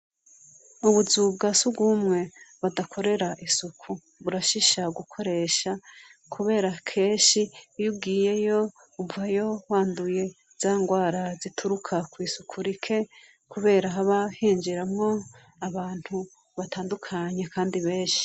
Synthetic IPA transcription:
uβuzubɡasuɡuːmŋe̞βadakʰo̞ɾe̞ɾaʔisukʰu | βuɾaʃiʃaɡukʰo̞ɾe̞ʃakʰuβe̞ːɾakʰe̞ːnʃijubɡiːje̞jo̞ | uvajo̞waːnduje̞ | z̥aːŋɡwaːɾazitʰuɾukʰakwiːsukʰuɾikʰe̞ | kuβe̞ːɾaɦaβahiːnd͡ʒiɾamŋo̞ | aβaːn̥hu | βatʰaːndukʰaɲekʰaːndiβe̞ːʃi̥

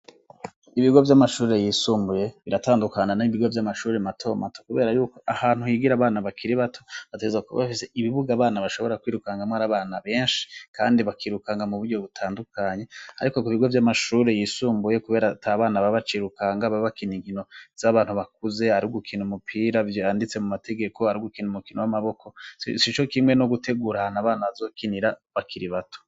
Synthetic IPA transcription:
iβiɡo̞vjamaʃuːɾe̞jiːsuːmbuje̞βiɾataːndukananaiβiɡo̞vjamaʃuːɾematʰo̞ːmatokuβe̞ːɾajuːko̞ʔahaːn̥huhiɡiɾaβaːnaβakiɾiβatʰo̞βatezakuβa̰fise̞ʔiβiβuɡaːβaːnaβaʃo̞βo̞ɾakwiːɾukaŋɡamwaːɾaβaːnaβe̞ːnʃi̥kʰa̰ːndiβakʰiɾukaŋɡamuβuɾɟo̞βutʰaːndukaɲe̞aɾiko̞kuβiɡo̞vjamaʃuːɾejisuːmbuje̞kuβe̞ːɾatʰaβaːnaβaβat͡ʃiɾukaŋɡaβaβakiniŋɡino̞z̥aβaːn̥huβak̚uze̞haɾiuɡukʰinumupʰiɾaandit͡se̞mumate̞ɡe̞kʰo̞haɾiuɡukinumukinowamaβo̞kʰo̞sit͡ʃo̞kimwe̞no̞ɡute̞ɡuɾanaβaːnaβazo̞ːkiniɾaβakʰiɾiβatʰo̥

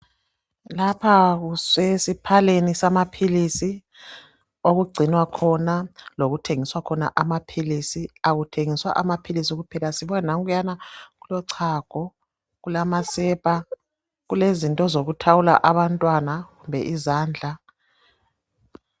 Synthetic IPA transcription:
lapʰaɣuswesipʰalenisamapʰilisi | oɣuɡ͡ǀʱinwakʰɔnaloɣutʰeŋiswakʰɔna̰ʔamapʰilisiaɣutʰeŋiswa̰ʔamapʰilisiɣupʰɛlasiβɔnaŋɣujanaɣulɔǀʰaɡ̥ʱɔ | ɣulamasɛpʼa | ɣulezintʼɔzoɣutʰawula̰ʔaβantʼwanaɣumbʱɛ̰ʔizaːnd͡ɮʱa

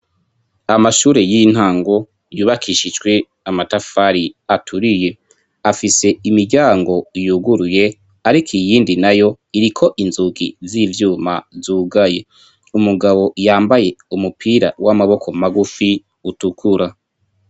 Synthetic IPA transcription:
amaʃuːɾe̞jin̥haːŋɡo̞ | juːβakʰiʃid͡ʒɡwe̞ | amatafaɾiatʰuɾije̞ | afise̞imiɾɟaːŋɡo̞juːɡuɾuje̞ | aɾikʰijiːndinajo̞ | iɾikʰo̞ʔinzuɡḭziːvjuːma̰zuːɡaje̞ | umuɡaβo̞jaːmbaje̞umupʰiːɾa̰wamaβo̞kʰo̞maɡufi | utukʰuɾa

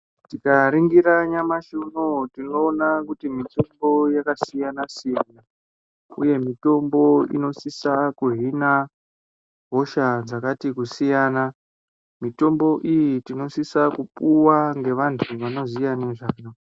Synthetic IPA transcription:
ttikaɾiŋɡiɾaɲamaʃunotinoːnakutimitombo̞jakasijanasena | ṵje̞mito̞mbo̞ḭno̞sisakuɦina | ɦo̞ʃad͡zakatikusijaːna | mito̞mbo̞ʔijitino̞sisakupuwaŋɡe̞ʋantʰuʋano̞zijaneʐaːno

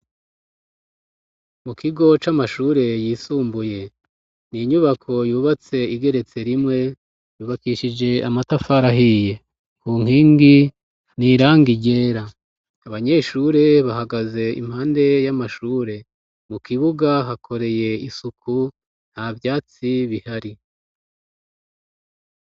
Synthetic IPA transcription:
mukiɡo̞t͡ʃamaʃuːɾe̞jiːsuːmbuje̞ | niɲuβakʰo̞juːβat͡se̞iɡe̞ɾe̞t͡se̞ɾimŋe̞ | juːβakiʃid͡ʒe̞amatafaɾaɦije̞ | kuŋ̥hiːŋɡi | niːɾaːŋɡiɟe̞ːɾa | aβaɲe̞ʃuːɾe̞βahaɡaze̞ḭm̥haːnde̞jamaʃuːɾe̞ | mukiβuɡaɦakʰo̞ɾe̞je̞isukʰu | n̥havjaːt͡siβihaɾi

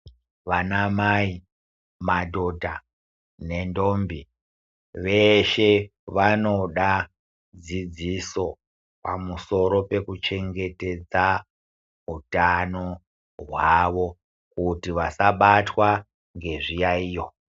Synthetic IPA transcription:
ʋanamai | madʱo̞dʱa | ne̞ndombi | ʋe̞ʃe̞ʋanoɗa | d͡zid͡ziso̞ | pa̰muso̞ɾo̞pe̞kut͡ʃe̞ŋɡe̞te̞d͡za | utano | ɦwaʋo̞ | kutiʋasaɓatwa | ŋɡe̞ʐijaiːjo

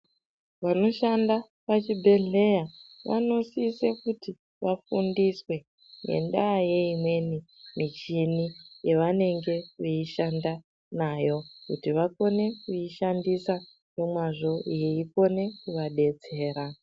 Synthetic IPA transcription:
ʋano̞ʃanda | pat͡ʃibʱe̞ɮe̞jaʋa̰no̞siːsekuti | ʋafundiswe̞ | ne̞̰nɗaje̞imwe̞nimit͡ʃinijeʋane̞ŋɡe̞uiʃanda | naːjo̞kutiʋako̞ne̞kuiʃandisa | jo̞mwaʐo̞jeipo̞ne̞kuʋaɗe̞d͡ze̞ːɾa

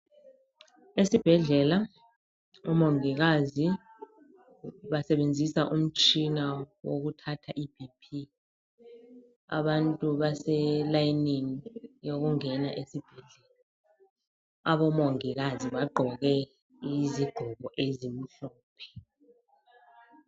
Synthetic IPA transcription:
esib̥ʱɛɮɛla | ɔmoŋik̬azi | ɓasɛɓend͡zʱisaʔum̩t͡ʃʼʰinawok̬utʰatʰaʔib̥ʱipʰi | a̰ɓantʼuɓasɛlajiniŋijok̬uŋɛnaʔesib̥ʱɛɮɛːla | aɓɔmoŋik̬aziɓaɡ͡ǃʱɔk̬ɛ | iziɡ̥ʱɔɓɔʔezim̩ɬɔːpʰɛ̥

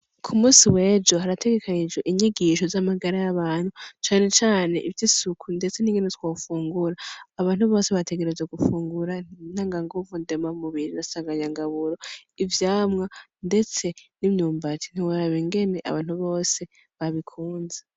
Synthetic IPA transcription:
kʰumuːsiwe̞ːd͡ʒo̞ɦaɾatʰe̞ɡe̞kʰaɲid͡ʒɡeʔiɲiɡiʃo̞zamaɡaɾajaβaːn̥hut͡ʃaːne̞t͡ʃaːne̞̰ʔivjisukʰunde̞t͡se̞niːŋɡe̞netwoːfuːŋɡuɾaːβaːn̥huβo̞ːse̞βatʰeɡe̞ɾe̞zeɡufuːŋɡuɾanaŋɡaŋɡovunde̞mamuβiɾiɾasaːŋɡaɲaŋɡaβuɾo̞ivjaːmŋande̞t͡se̞nimɲuːmbatʰi̥n̥iwoɾaβiŋɡe̞ne̞ʔa̰βaːn̥huβo̞ːse̞ | βaβikʰuːnze

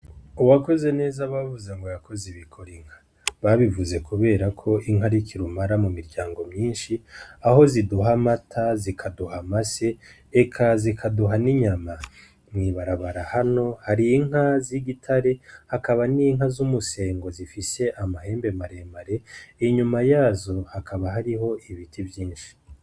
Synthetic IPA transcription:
uwako̞ze̞ne̞ːzaβavuzeŋɡo̞jakʰo̞ziβikʰo̞ɾiŋ̥hḁ | βaβivuze̞kuβe̞ːɾakʰo̞ʔiŋɦaɾikʰiɾumaɾamumiɾɟaːŋɡo̞mɲiːnʃiaɦo̞ziduɦamatʰazikʰaduhamase̞ː | kʰazikʰaduɦaniɲama | mŋiːβaɾaβaɾahano̞haɾiːŋhaziɡitʰaɾe̞hakaβaniŋɦazumuse̞ːŋɡo̞zifise̞ʔamahe̞ːmbe̞maɾe̞ːmaɾe̞iɲumajaːzo̞hakʰaβaɦaɾiɦo̞iβitʰivjiːnʃi̥

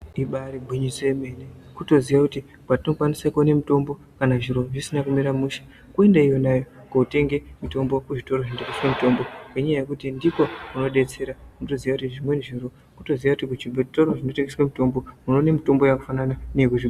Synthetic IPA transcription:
iɓaɾebʱuɲiseme̞nekuto̞ziʋakuti | kwatino̞kwanisakone̞mito̞mbo̞ | kanaʐiɾo̞ʐisinakumiɾamuʃḁ | kue̞ndaijonajo̞ | koute̞ŋɡe̞muto̞mbo̞kuʐito̞roʐindekuskemito̞mbo̞keɲajaje̞kutindiko̞runo̞ɗe̞t͡se̞ɾaunoto̞ziʋakutiʐimwe̞nʐiro | kuto̞ziʋakutikut͡ʃibʱoti̥torwoʐino̞te̞ŋɡeswamito̞mbo̞uno̞ne̞mito̞mbo̞jaku̥fanananekuʐi

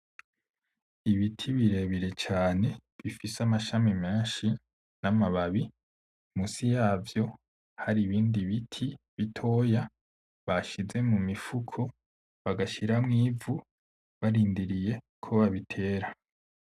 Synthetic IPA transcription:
iβitʰiβiɾe̞βiɾe̞t͡ʃaːne̞βifisamaʃamime̞ːnʃi | namaβaβi | musijaːvjo̞ | haɾiβiːndiβitʰiβitʰo̞ːja | βaʃize̞mumifukʰo̞ | βaɡaʃiɾamŋiːvu | βaɾiːndiɾije̞ | kʰo̞βaβitʰe̞ːɾa

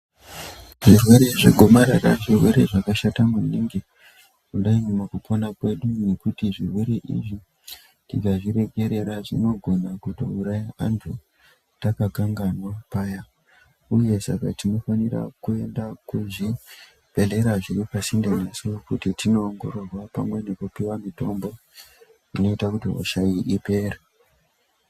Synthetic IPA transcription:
ʐirwe̞ɾe̞ʐeɡʱo̞maɾara̰ʐirwe̞ɾe̞ʐakaʃatamuniːŋɡe | kuɗaimumakupʰonakwe̞ɗune̞kutiʐirwe̞ɾe̞ʔḭʐi | tikaʐiɾe̞ɡʱe̞ɾe̞ɾaʐḭno̞ɡʱo̞nakutouɾajaa̰ntʰu | takakaŋɡanwapaːja | uje̞sa̰ka̰tino̞fanira̰kue̞ndakuʐi | b̥ʱe̞ɮe̞ɾaʐiripasindenasokutitino̞ːŋɡo̞ɾo̞rwapamwe̞ne̞kupiwamito̞mbo̞ | ino̞itakutiɦo̰ʃajiʔipe̞ːre

